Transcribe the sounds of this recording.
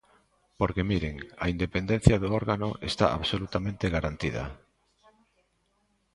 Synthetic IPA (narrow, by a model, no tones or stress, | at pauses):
poɾkemiɾeŋa̰ind̪epend̪ẽn̟θjaðooɾɣano̰ʔest̪a̰ʔa̰βsolut̪amẽnt̪eɣaɾant̪ið̞a̰